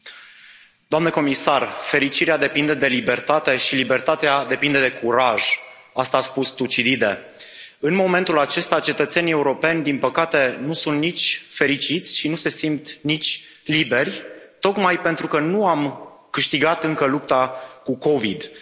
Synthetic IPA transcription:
d̪oamneko̞misarfe̞ɾit͡ʃiɾead̪e̞pind̪e̞d̪e̞libe̞rt̪at̪e̞ʃilibe̞rt̪at̪ead̪e̞pind̪e̞d̪e̞kʰuɾaʒ | ast̪aːspust̪ut͡ʃid̪id̪e | ɨnmo̞me̞nt̪ulat͡ʃe̞st̪at͡ʃe̞t̪ət̪se̞nije̞uɾo̞pe̞nʲd̪inpəkat̪e̞nusunt̪nit͡ʃʲfe̞ɾit͡ʃit̪sʲʃinuse̞simt̪nit͡ʃʲlibe̞rʲ | t̪o̞kmajpe̞nt̪ɾukənuam | kɨʃt̪iɡat̪ɨŋkəlup̚t̪akuko̞vid̪

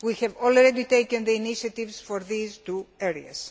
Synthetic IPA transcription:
wixɛvolɾed̪it̪ejkɐ̃nðeiniʃɐt̪ivsfoɾðizt̪ueɾiɐs

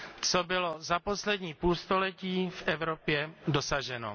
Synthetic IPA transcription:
t͡sobɪlozaposlɛdɲiːpuːlst̪olɛciːfʔɛvɾopjɛdosaʒɛno̰

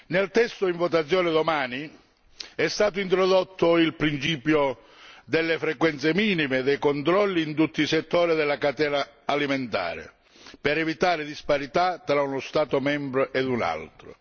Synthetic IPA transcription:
nelt̪ɛst̪ʊiɱvot̪̬at̪sːjɔːnɪd̪omaːni | ɛst̪aːt̪̬ʊint̪ɾɔðot̪ːʊilpɾint͡ʃiːpjo | d̪elːefɾekwɛnt̪semiːnimed̪ɛjkont̪ɾɔlːiːnt̪ut̪ːiisɛt̪ːoːɾiðɛlːakat̪ɛːnaːliment̪a̰ːɾɪ̰ | pɛɾɛvit̪aːɾɪd̪ispaɾit̪at̪ːɾaunʊst̪aːt̪ʊmɛmbɾoʔed̪una̰lt̪ɾʊ̰

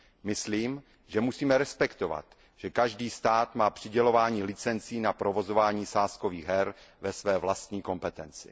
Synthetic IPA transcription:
mɪsliːm | ʒɛmusiːmɛɾɛspɛkt̪o̞va̰t̪ | ʒ̥ɛkaʒdiːst̪aːt̪maːpr̝̥ɪɟɛlo̞vaːɲiːlɪt͡sɛnt͡siːnapɾovo̞zo̞vaːɲiːsaːskoviːɣɦɛɾvɛsvɛːvlast̪ɲiːko̞mpɛt̪ɛnt͡sɪ̰

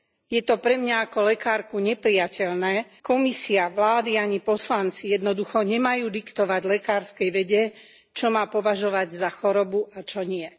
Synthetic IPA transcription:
jɛt̪ɔpɾɛmɲaakɔlɛkaːɾkuɲɛpɾijacɛʎnɛːkɔmisiaʋlaːd̪iaɲipɔslant͡sijɛd̪nɔd̪uxɔɲɛmajuːd̪ikt̪ɔʋaɟlɛkaːɾskɛjʋɛɟɛ | t͡ʃɔmaːpɔʋaʒɔʋaɟzaxɔɾɔbuʔat͡ʃɔɲɪɛ

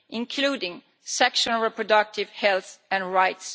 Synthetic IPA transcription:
ʔɪ̃nkʰluːdɪ̃ŋ | sɛkʃənl̩ˠɹɛpʰɹɔdʌk̚tʰɪv̥hɛlˠθɨ̃nɹaɪts

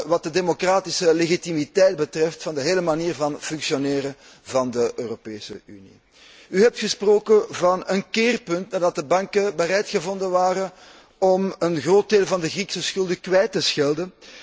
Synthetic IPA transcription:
ʋɑt̚dədemokraːtɪsəleɣitimitɛjd̚bətrɛftfɑndəɦeːləmaniːrvɑnfʏŋksioneːɾə | vɑndəʔøːropeːsə̰y̰nḭ | yɦɛp̚txəsproːkəvɑnənkeːrpɵntnaːrdɑt̚dəbɑŋkəbəɾɛjtxəvɔndənʋaːɾən | ɔmənɣroːt̚deːlˠvɑndəɣriksəsxɵlˠdəkwɛjtːəsxɪlˠdən

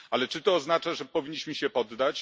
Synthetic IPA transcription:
alɛt͡ʂɘt̪ɔːznat͡ʂaʐɛpɔvʲiɲːiɕməɕɛpɔd̪ːat͡ɕ

